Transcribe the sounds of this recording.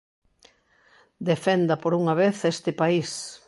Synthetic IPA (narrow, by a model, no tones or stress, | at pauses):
d̪efend̪ɐpoɾuŋɐβeθest̪ɪpais